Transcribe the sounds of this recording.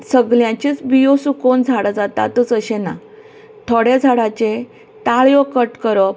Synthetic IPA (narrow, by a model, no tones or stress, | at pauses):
səɡljãt͡ɕit͡sbijosukond͡zʱaɽəd͡zat̪a̰t̪ət͡səɕena̰ | t̪ʰɔɽed͡zʱaɽat͡ɕe | t̪aɭjɔkəʈkəɾɔp